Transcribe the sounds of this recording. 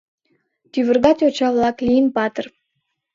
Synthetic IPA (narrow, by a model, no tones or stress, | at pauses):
t̪yβə̆rɣɑt̪ʲot͡ɕɑβlɑklʲijənpɑt̪ər